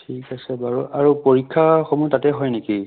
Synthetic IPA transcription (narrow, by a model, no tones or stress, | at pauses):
tʰikasɛbaɹuʔaɹupoɹikʰːaxɔmutatɛɦɔjneki